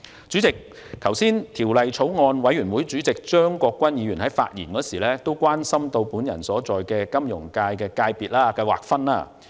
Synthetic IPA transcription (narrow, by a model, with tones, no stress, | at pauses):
t͡ʃyː˨˥t͡sɪ˨k̚ | kʰɐ˨˩wsiː˥nt̪ʰiː˨˩wlɐ˨jt͡ʃʰo˨˥wŋɔː˧nwɐ˨˥jyː˨˩nwu˨˥jt͡syː˨˥t͡sɪ˨k̚t͡ʃœː˥ŋkɔː˧kːʷɐ˥njiː˨˧jyː˨˩nhɐ˨˥jfa̰ː˧t̚jḭː˨˩nkɔː˨˧˥siː˨˩lɛː˥t̪o˥wkʷaː˥nsɐ˥mt̪o˧wpuː˨˥njɐ̰˨˩nsɔː˨˥t͡sɔː˨jkɛː˧kɐ˥mjʊ˨˩ŋkaː˧jkɛː˧kaː˧jpiː˨t̚laː˥kɐ˧jwa̰ː˨˩k̚fɐ˥na̰ː˧